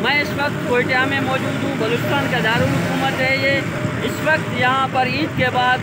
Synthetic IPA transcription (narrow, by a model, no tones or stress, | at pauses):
mɛ̃ɪsʋɐkt̪koːɪʈijamẽmɔːd͡ʒuːd̪ɦũbɐloːt͡ɕɪ̥st̪aːnked̪aːɾulɦʊkuːmət̪ɐɦie | ɪsʋɐkt̪jɐɦãpɐɾiːt̪kebaːd̪